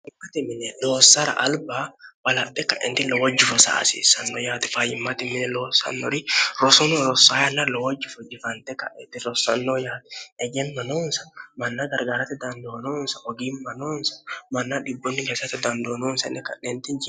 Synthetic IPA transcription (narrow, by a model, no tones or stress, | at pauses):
ɪmːat̪ɪmɪnɛloːsɐɾɐ̰ʔɐlbaːwɐlɐt̪ːɛkɐʔɛ̰nt̪ɪlɔwɐd͡ʒːɪfɔsa̰ːsḭsɐnːɔjaːt̪ɛ̥fajɪmːat̪ɪmːɪnɛloːsɐ̰nːɔ̰ɾɪɾɔsɔnoɾɔsːaːjanːalɔwɐd͡ʒːɪfɔd͡ʒɪfɐnt̪ɛkɐ̰ʔɛt̪ɪɾɔsːɐnːojaːt̪ɛ̥ɛd͡ʒɛnmɐnoːnsɐmɐnːaɡɐɾɡaːɾɐt̪ɛd̪ɐnd̪oːnoːnsɐʔɔɡiːnmɐnoːnsɐ̥mɐnːaᶑɪbːɔnːɪɡɐsɐt̪ɛd̪ɐnd̪oːnoːnsɐ̰nːɛkɐ̰ʔːɛnt̪ɪnd͡ʒɪ